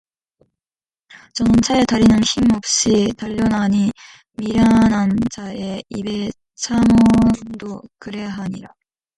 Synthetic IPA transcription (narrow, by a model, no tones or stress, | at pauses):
t͡ɕʌnɯnt͡ɕʰaetaɾinɯnçimʌp̚ɕ͈itaʎːʌnaɲi | miɾjanant͡ɕʰae̞ibe̞ | t͡ɕʰaŋʌndokɯɾe̞ɦaɲiɾa